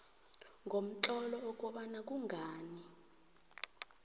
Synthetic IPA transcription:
ŋʱom̩t͡ɬɔlɔɔk̬ʼɔɓanak̬ʼuŋʱaːni

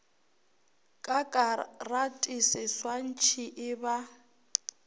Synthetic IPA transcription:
kʼakʼaratʼisɪswan̩t͡ʃʰiʔɪba

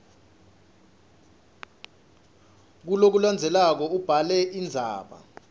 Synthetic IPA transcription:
k̬ulok̬uland͡zʱɛlak̬ɔub̥ʱalɛʔind͡zʱa̰ːɓa̰

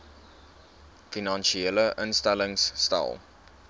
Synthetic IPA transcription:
finɑnʃieləʔənstæləŋsːtɛ̰lˠ

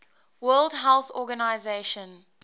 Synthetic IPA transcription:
wɜːldɦɛlˠθɔɡanaɪzeʃə̃n

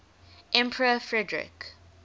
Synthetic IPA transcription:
ʔɛ̃mpʰəɹəfɹɛdɹɪ̰k

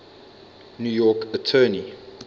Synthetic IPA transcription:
njujɔkətʰɜːni

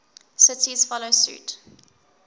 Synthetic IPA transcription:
sɪtʰiz̥fɔlosʉ̰ːt

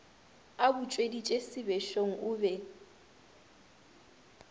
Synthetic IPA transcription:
abʊt͡ʃʼwedit͡ʃʼesɪbɛʃoŋ̩ʔʊbɛ

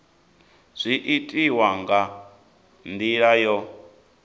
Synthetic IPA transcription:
z̥ʷiʔitʼiwaŋɡa | nd̪iɺajɔ

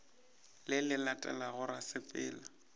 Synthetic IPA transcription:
lɪlɪlatʼɛ̰laɣʊɾasɪpʼɪ̰ːla

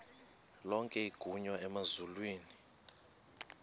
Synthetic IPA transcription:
lɔŋkʼɛiɡ̥ʱuɲwaɛmazulwiːni

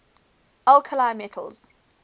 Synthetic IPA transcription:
alkʰəlajmɛtʰə̰lz̥

